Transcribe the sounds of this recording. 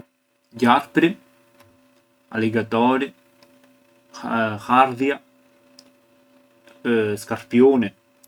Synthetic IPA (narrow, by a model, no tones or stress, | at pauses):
jaɾpɾi | a̰liɡat̪ɔɾi | xaɾðja | skaɾpjune